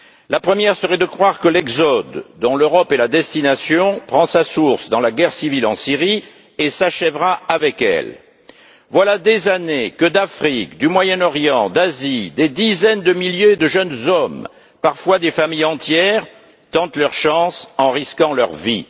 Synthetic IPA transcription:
lapχəmjɛʁsəʁɛd̪əkχwaʁkəlɛɡzɔd̪ːɔ̃løʁɔpelad̪ɛst̪inasjɔ̃pχɑ̃sasuʁsd̪ɑ̃laɡɛʁsivilɑ̃siʁi | esaʃɛvʁaavɛkɛ̰l | vwalad̪ezanekəd̪afχikd̪ymwajɛnɔʁjɑ̃d̪azid̪ed̪izɛnd̪əmiljed̪əʒənzɔm | paʁfwad̪efamijɑ̃t̪jɛʁ | t̪ɑ̃t̪lœʁʃɑ̃sɑ̃ʁiskɑ̃lœʁvi

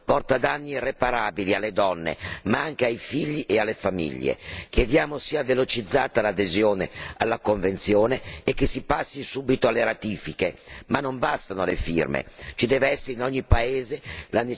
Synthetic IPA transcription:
pɔrt̪ad̪anːirepaɾaːbilialːed̪ɔnːḛmaaŋk̟eajfiʎːiʔealːefamḭʎːḛk̟jed̪jaːmosiːavelot͡ʃid̪zːaːt̪alad̪ezjoːnealːakoɱvent̪sjoːneːkːesːipasːisuːbit̪oalːeɾat̪iːfikemanːombast̪anoalḛfḭrmḛt͡ʃid̪ɛːveɛsːeɾeinɔɲːipaeːzelane

